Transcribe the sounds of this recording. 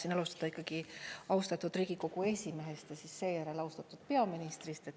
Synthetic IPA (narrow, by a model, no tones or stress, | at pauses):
sinɑlust̪ɑd̪̥ɑikːˑɑɡ̥iɑwst̪ɑt̪ːˑud̪̥riːɡ̥iko̞kue̞sʲime̞ɦe̞st̪jɑsisːe̞ːjæɾe̞lɑwst̪ɑt̪ːˑud̪̥̚pe̞ɑminist̪rist̪et̪ː